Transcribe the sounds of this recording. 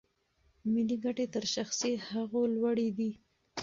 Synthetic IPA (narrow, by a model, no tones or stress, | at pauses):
miliɡaʈet̪əɾʃaxsehaɣolwaɽid̪i